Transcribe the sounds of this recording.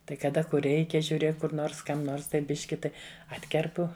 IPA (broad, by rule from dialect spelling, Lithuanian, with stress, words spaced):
ˈtɐɪ kɐˈdɐ kʊr ˈrʲɛɪkʲɛ ʒʲuːˈrʲeːk ˈkʊr ˈnoːrs ˈkɐm ˈnoːrs tɐɪ ˈbʲɪʃʲkʲɪ ˈtɐɪ ˈɑːtʲkʲɛrpʊ